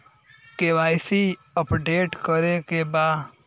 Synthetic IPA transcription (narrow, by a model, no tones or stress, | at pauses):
keʋajsi | əpɖeːʈkəɾekeba